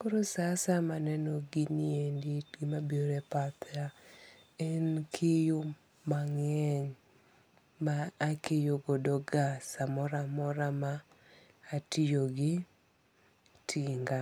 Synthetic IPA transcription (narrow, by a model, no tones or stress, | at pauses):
koɾosasamanɛnɔɡinienditɡɪmabjoɾepat̪a | ɛnkʰɪju | maŋɛɲ | maːkejoɡodɔɡasamɔɾamɔɾamaː | tɪjoɡɪ | tʰiŋɡa